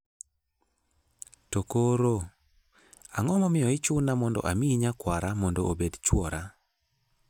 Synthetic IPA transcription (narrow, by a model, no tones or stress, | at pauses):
tokoɾo | a̰ŋɔmɔmɪjɔɪt͡ʃʊnamɔndɔ̰ʔamiɲakwaɾamɔndɔobedt͡ʃwɔɾa